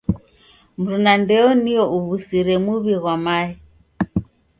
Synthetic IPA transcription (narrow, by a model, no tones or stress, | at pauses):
m̩ɾunandɛɔniɔʔuβusiɾɛmuβiɣwamaɛ